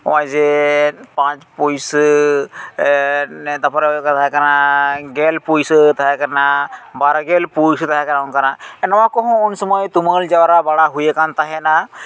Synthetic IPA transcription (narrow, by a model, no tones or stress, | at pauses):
wãjd͡ʒepãt͡ʃpujs | d̪apɔɾkt̪ʰaɦkaɾnaɡelpujst̪aɛkaɾnabaɾaɡelpujst̪aɦakeɾawnkaɾnaɛnɐwãkɔɦːnsɔmɔjt̪uməld͡ʒawɾabaɽaɦujekant̪aɦɛna